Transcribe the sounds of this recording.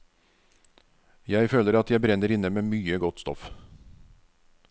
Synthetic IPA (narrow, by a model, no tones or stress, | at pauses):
jæɪføːləɾɑt̪jæɪbɾɛnːəɾɪnəmeːmyːəɡɔt̪ːst̪ɔ̰f